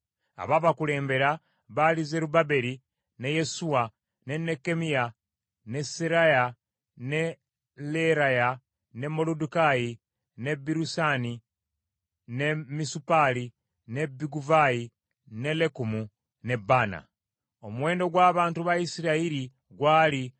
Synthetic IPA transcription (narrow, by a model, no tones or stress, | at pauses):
a̰βaβakule̞ːmbe̞ɾa | βalize̞ɾubabe̞ɾi | ne̞je̞suwa | ne̞nːe̞kːe̞mija | ne̞seɾaja | ne | leɾaja | ne̞mːo̞ludukaji | ne̞biɾusani | ne̞misupali | ne̞biɡuvaji | ne̞le̞kumu | ne̞bːaːna̰ | o̞muwe̞ːndo̞ɡwaːβaːntuβajisiɾaiɾi | ɡwaːli